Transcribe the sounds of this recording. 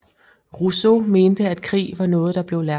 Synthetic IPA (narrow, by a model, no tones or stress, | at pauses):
ʁuso̝me̝ːnd̥əæd̥̚kʰʁḭːʋɑ̈nɔ̽ːð̩ˠd̥ɑ̈b̥le̝ʊlæɐ